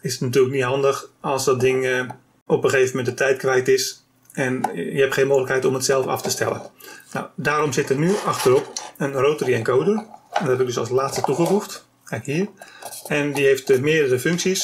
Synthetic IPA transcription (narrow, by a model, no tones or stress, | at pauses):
ɪsətnatyələkniɦɑndəxɔlˠsdɔt̚dɪŋ | opəxeːvəmɛndətɛjtkʋɛjtɪs | ɛnjəhɛptχeːnmoːxələkɛjtɔmətsɛlˠfɑ̰ftəstɛ̰lə̰nna̰wdaːɾomzɪtətnyɑxtərɔpənroːtəriɛnkoːwdərɛndɔɛbɪk̚døsɑ̰lˠslaːt͡sstətuχəfuxt | kɛkhiərɛndihejftmɪədərəføŋksis